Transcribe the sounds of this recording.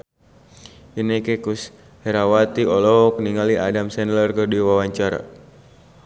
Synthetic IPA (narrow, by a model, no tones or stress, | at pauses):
inɛkekus | hɛɾawat̪iɔlɔk̚niŋaliʔa̰damsɛnlərkərdiwawaɲt͡ʃaɾa̰